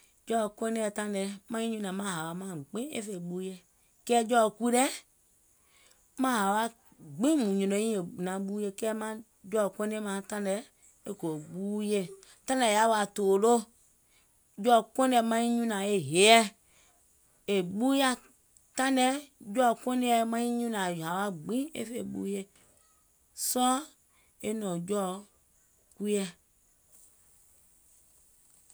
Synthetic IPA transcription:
d͡ʒɔ˦˨kɔ˦nɛ˦ɛ˨tã˦nɛ˨mã˦ɲĩ˦ɲũ˦nã˨mã˦ɦa˨wa˨mã˦˨ɡ͡bẽ˦ḛ˦fe˨ɓu˦je˦ | kɛ˦d͡ʒɔ˦˨ku˦ɾɛ˦ | mã˦ɦa˨wa˦ | ɡ͡bĩ˦mũ˨ɲɔ̃˨nõ˨˦ĩ˦e˨nã˨ɓu˦je˦kɛ˦mã˦ | d͡ʒɔ˦˨kɔ˦ne˦mã˦tã˦nɛ˨ | e˦ko˨ɡ͡bu˦je˦ | tã˦nɛ˨ja˨˦wo˦a˨to˨lo˦ | d͡ʒɔ˦˨kɔ̃˦nɛ˨mã˦ɲi˦ɲũ˦nã˨e˦ɦe˨˦ɛ˦ | e˨ɡ͡bu˦ja˦ | t̪ã˦nɛ˦d͡ʒɔ˦˨kʷõ˦ne˦ɛ˦mã˦ɲi˦ɲũ˦nã˨a˨wa˦ɡ͡bĩ˦ḛ˦fe˨ɡ͡bṵ˦je˦ | sɔ˦ | e˦nɔ̃˨d͡ʒɔ˦ | ku˦ɛ˦

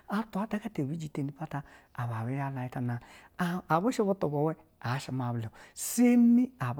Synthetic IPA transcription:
a˨tu˨˦a˨˦ta˦ka˦te˨wi˦d͡ʒi˨te˨ni˦pa˦taː˦˨ | βa˨we˦ja˦la˨i˦ta˨na˨ | a˨βo˦ʃo˦βo˦to˨bo˨wɛ˦ | a˨˦ʃa˨ma˨βlo˨se˦mi˦a˨b

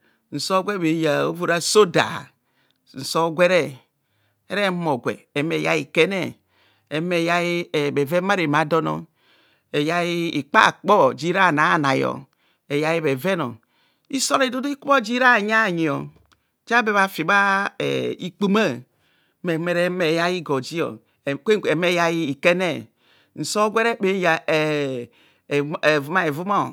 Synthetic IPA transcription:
n̩˨so˦ɡʷe˦be˨ja˨o˦vo˨ɾa˦so˦da̰˨ | n̩˨so˦ɡʷe˦ɾe˦ | e˦ɾe˦mo˨ɡʷḛ˨e˨me˨ja̰˦i˨ke˦ne˦˨ | e˨me˨ja˦i˦˨be˨ve˦ma˦ɾe˨ma˨do˦no̰˦ | e˨ja˦i˦i˨k͡pa̰˦˨k͡pɔ˦d͡ʒi˦ɾa˦˨na˨˦˨na˨jɔ̰˨ | e˨ja˦ji˦be˨ve˦no̰˨ | i˦so˦ldo˦do˦i˦ku˦bo˦d͡ʒi˦ɾa˦˨ɲa˦˨ɲi˨o˨ | d͡ʒa˦be˨βa˨fi˨ba˦ḛ˨i˦k͡pu˦ma˦ | me˨me˨ɾe˦me˨ja˦ji˦ɡo˨d͡ʒi˦o̰˨ | ke˦˨e˨me˦ja˦ji˦i˨ke˦ne˦ | n̩˨so˦ɡʷe˦ɾe˦be˦ja˨ | vu˨˦ma˦e˨vu˦mo˦˨

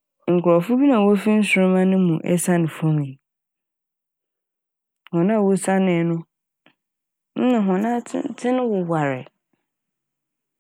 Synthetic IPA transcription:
ŋ̩˨kʰʊ˨ɾɔ˨fʊ˦bi˦nã˨wo˦fi˦n̩˦sʊ˨ɾʊ˦mã˦nʊ̃˦mũ˨ʔɛ̰˦sa˦nɪ̃˨fɔ̃˦mĩ˨ | hɔ̃˨nã˦˨wo˦sa˦nɪ̃˨nʊ̃˦ | n̩˦nã˨ɦɔ̃˨nã˦tʰɪ̃˦ñ˦wʊ˨wa˨ɾɪ̰˨

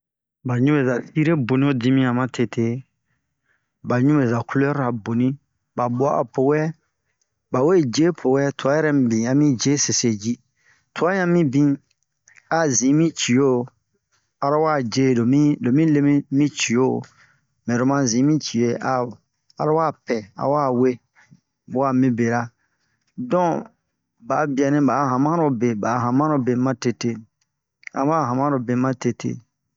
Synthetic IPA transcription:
ba˨ɲũ˦e˨za˨i˦ɾe˦bo˨nĩ˦o˦dĩ˦mĩ˦a˨mã˦tʰe˨tʰe˦ | ba˨ɲũ˦e˨za˨ku˦lo˦ɔ˦ɾa˨bo˨nĩ˦ | ba˨bo˨a˦ʔa̰˨pʰo˨wɛ˦ | ba˨we˦˨d͡ʒe˦pʰo˨wɛ˦tʰo˨a˨˦jɛ˦ɾɛ˦m˨˦bĩ˨a˨mĩ˦d͡ʒe˦se˨se˨d͡ʒi˦ | tʰo˨˦a˦jã˦mĩ˦bĩ˦ | a˨zĩ˨˦mĩ˦t͡ʃi˨o˦˨ | a˨ɾa˦waː˦˨d͡ʒe˦do˨mĩ˦do˨mĩ˦le˦mĩ˦mĩ˦t͡ʃi˨o˦˨ | mɛ̃˨ɾo˨mã˦zĩ˨˦mĩ˦t͡ʃi˨e˦a˨ | a˨ɾa˦wa˦˨pɛ˨a̰˨waː˦˨we˦ | wa˦˨mĩ˦be˨ɾa˦ | dɔ̃˦ | ba˨˦bi˨a˨nɛ̃˦ba˨˦ɦã˨mã˦ɾo˧be˨ba˨˦ɦã˨mã˦o˦be˨mã˦te˧te˦ | a̰˨mã˦˨ɦã˨mã˦ɾo˨be˨mã˦te˧tʰḛ˦

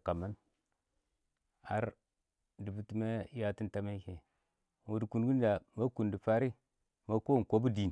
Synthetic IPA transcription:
ka˨ma˦n | a̰˦ɾ | di˨bu˦ti˦ma˦ja˦ti˦nta˦ma˦ke˨ | wu˨dku˨nɡu˦n˦d͡ʒa˨ma˦ku˨ndi˨fa˦ɾi˦ | ma˦ko˦˨ko˦bu˦di˨n˨

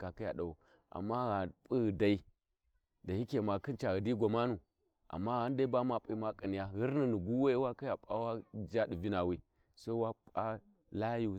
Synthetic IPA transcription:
ka˨ki˦ja̰˨da˨u˨ | a̰˨mːa˦ɣa˨pʼi˦ɣda˨i˦ | da˨hi˦ke˨ma˨kɨ˦nt͡ʃa˨ɣə˨di˦ɡʷo˨ma˦nu˨ | ʔa̰˨mːa˦ɣa˦n˦da˦i˦ba˦ma˨pʼi˦ma˦kʼə˨ni˨ja˦ɣi˦ɾni˨nu˨ɡu˦we˦wa˦ka˦ja˨pʼa˦wa˦d͡ʒa˦di˨vi˦na˨wi˦ | so˦wa˦pʼa˦ | la˦ju˦

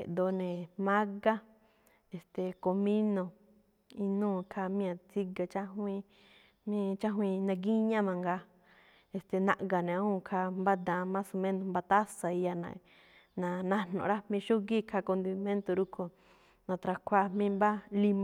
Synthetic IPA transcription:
ḛ˨ʔd̪o˧nẽ˨mã˦ɡa˦ | e˨st̪e˨ko˧mĩ˦nõ˧ | i˧nũː˦˨kʰa˧mĩ˦ã˧t͡si˧ɡa˨t͡ʃa˦ɦw̃ʷĩ˧ | mĩ˦t͡ʃa˦ɦw̃ĩ˧nã˧ɡi˦ɲã˦mã˧ŋɡa˧ | e˧st̪e˨nã˧ʔɡa˨nẽ˨ã˧˦ũ˦˧˨kʰa˧mba˦d̪ã˧mã˦su˧mẽ˦nõ˧mba˧t̪a˦sa˧i˧ja˧nã̰˧ | nã˧nã˧n̥õ̰˨ɾa˦mĩ˧ʃu˦ɡi˦kʰa˧ko˧nd̪i˧mẽ˦nt̪o˧ɾu˧kʰo˧ | nã˨˧t̪ɾa˧kʰʷa˧mĩ˦mba˦li˧m˧˨

